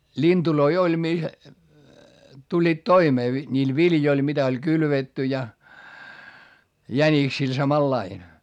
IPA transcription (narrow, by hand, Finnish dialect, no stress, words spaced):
lʲintuloi olʲ mi tulʲːiːt toimeː ʋi nʲiːl ʋiljoil mitæ olʲ kylʋetːy jɑ jæniksil sɑmɑlːɑin